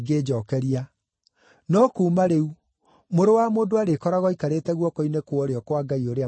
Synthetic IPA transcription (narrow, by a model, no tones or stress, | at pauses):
ɡed͡ʑɔkɛɾia | nɔkuːmaɾeu | moɾowamoːdoaɾekɔɾaɣɔikaɾetɛɣwɔkoinekwɔɾeɔkwaɡaioɾea